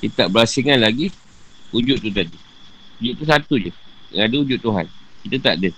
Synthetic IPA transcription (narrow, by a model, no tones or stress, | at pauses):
kit̪aʔbəɾasiŋanlaɡi | ud͡ʒʊt̪̚ːut̪adi | ud͡ʒʊt̪̚t̪ːusat̪ud͡ʒə̰adəud͡ʒʊt̪̚t̪ːuɦa̰nkit̪ət̪aʔdə